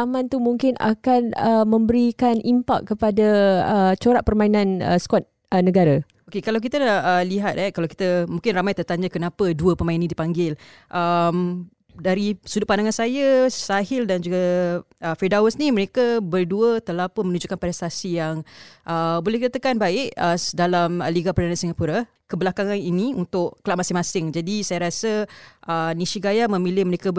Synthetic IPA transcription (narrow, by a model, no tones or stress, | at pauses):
amãnt̪umuŋkɪna̰kanəmə̃mbəɾikanʔimpa̰k̚kːəpadaət͡ʃoɾaʔpərmainãnə̰skɔt̪̚ | ənəɡaɾa | okekalawk̬it̪aəliɦat̪̚hɛkalawki̥t̪əmũŋkɪnramajt̪ərt̪aɲakənapəduəpəmainːidipaŋɡɪl | ʔəm | daɾisudʊtʔpandaŋansajasaɦɪldand͡ʒuɡa | ʔəfidawəsniməɾekabərduət̪əlahpʊnmənud͡ʒuʔkanpɾɛst̪asijaŋʔəbolɛhkit̪ət̪əkanbaɪʔədalaməliɡapərdanãnsiŋapuɾa | kəbəlakaŋaniniunt̪ʊʔkəlaʔ̚masɪŋmasɪŋd͡ʒadisajaɾasəʔəniʃiɡajamə̃milɪhməɾeka